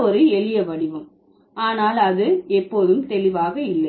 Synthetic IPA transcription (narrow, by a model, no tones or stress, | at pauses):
ɔɾɯɛɭɪjɐʋɐɽɪʋɯm | aːnaːlɐðɯɛpːoːðɯmt̪ɛlɪʋaːɣɐɪlːɐɪ